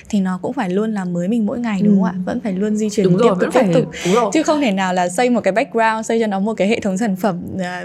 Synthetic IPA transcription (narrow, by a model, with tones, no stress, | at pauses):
t̪ʰi˨˩nɔ˨˦kʊ̰˧˥ŋ͡mfaː˧˩jlu˧ənlaː˨˩mməː˨˦jmï˨˩ŋmo̰˧˥jŋa˨˩jɗʊ˨˦ŋ͡ma̰ː˧˨və̰˧˥nfaː˧˩jlu˧ənzi˧t͡ɕwi˨˩n˨i˦˥˨t̪ɨ̰˧˥t̪i˦˥pt̪ʊ˨˩˨t͡ɕɨ˨˧˦xə˧wŋ͡mt̪ʰe˧˩naː˨˩wlaː˨˩sə˧jmo˨˩t̚kaː˨˦jɓa˦˥k̟̚ɹaː˧wnsə˧jt͡ɕɔ˧nɔ˨˦mo˨˩t̚kaː˨˦jhḛ˧˨t̪ʰwŋ͡msaː˧˩nfə˧˩mː˨˩